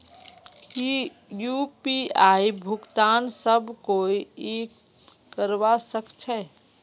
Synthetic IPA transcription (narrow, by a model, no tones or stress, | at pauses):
ki | jupiaibʱukt̪ansəbʱkoiek | kːəɾʋasəkt͡ʃʰɛ